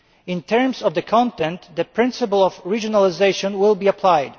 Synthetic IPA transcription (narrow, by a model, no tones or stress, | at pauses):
ɪ̃ntʰɛɹmsɔvðəkʰɔ̃ntɛ̃ntðɨpʰɹ̥ɪ̃nsɨpəl̩ˠɔvɹid͡ʒɔnalˠɪzeɪʃɔ̃nwɪlˠbiəpʰlajd